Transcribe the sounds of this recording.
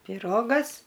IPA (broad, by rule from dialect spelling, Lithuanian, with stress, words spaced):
pʲɪˈroːɡɐs